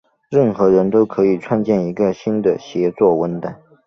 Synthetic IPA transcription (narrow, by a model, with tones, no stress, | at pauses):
ɻə˥˩nxɤ˧˥ɻə˧˥nt̪o˥ʊkʰɤ˧˥i˨˩ʈ͡ʂʰwa˥˧nt͡ɕjɛ˥˩ni˧˥ɡə˧ɕi˥nd̪ə˨ɕjɛ˧˥t͡swɔ˥˩wə˧˥nt̪a˨˩˦n